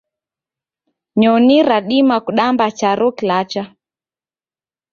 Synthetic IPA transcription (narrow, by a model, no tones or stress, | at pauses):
ɲɔniɾaɗimakuɗambat͡ʃaɾɔkilat͡ʃa